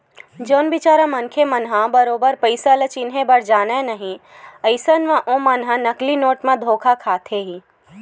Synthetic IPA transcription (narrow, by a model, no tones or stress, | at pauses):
d͡ʒoːnbɪt͡ʃaːɾãmɐnkʰemɐnɦãbɐɾoːbəɾpəɪsalət͡ʃɪnɦẽbɐɽd͡ʒaːnẽnɐɦĩ | əɪsənʋãʔõmɐnɦãnɐklinoːʈmẽd̪ʱoːkʰakʰaːt̪ʰeːɦĩ